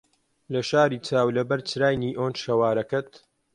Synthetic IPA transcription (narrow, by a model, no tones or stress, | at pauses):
lɐʃaːɾiːt͡sʰaːwlɐbɐɾt͡ʃɾaːjniːʔoːnʃɐwaːɾɐkɐt̪